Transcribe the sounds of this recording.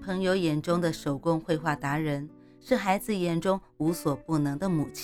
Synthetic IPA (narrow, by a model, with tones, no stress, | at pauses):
pʰɤ˧˥ŋjo˧˥ʊjɛ˨˩nʈ͡ʂʊ˥ŋd̪ə˨ʂo˨˩ʊkʊ˥ŋxwe˥˧ɪxwa˥˩t̪a˧˥ɻə˧˥n | ʂɻ̩˥˩xa˧˥ɪd͡zɹ̩˨˩jɛ˨˩nʈ͡ʂʊ˥ŋ | u˧˥swɔ˨˩pu˥˩nɤ˧˥ŋd̪ə˧˨mu˨˩t͡ɕʰ